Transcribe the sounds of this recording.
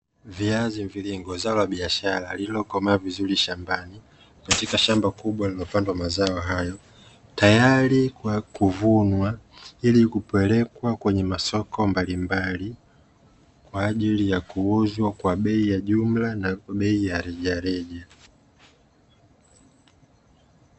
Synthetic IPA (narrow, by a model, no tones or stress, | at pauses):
viaziviliŋɡɔzaɔlaɓiaʃaɾalilɔkɔmaavizuliʃambani | katikaʃambakuɓwalilɔpandwamazaɔɦajɔ | tajaɾikuvunwailikupɛlɛkwakwɛɲɛmasɔkɔmbalimbali | kwaːʄilijakuuzwakwaɓɛijaʄum̩lanaɓɛijaɾɛʄaɾɛʄa